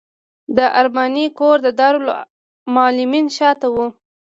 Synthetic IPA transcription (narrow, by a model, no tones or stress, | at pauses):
d̪əʔaɾmanikoɾd̪əd̪ɑɾola̰ | mɑlɪminʃɑt̪awu